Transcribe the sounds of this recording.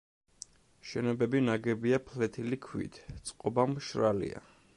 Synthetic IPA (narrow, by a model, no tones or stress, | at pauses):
ʃɛnɔbɛbinaɡɛbiapʰlɛt̪ʰilikʰwḭt̪ʰt̪sʼqʼɔbamʃɾalḭa̰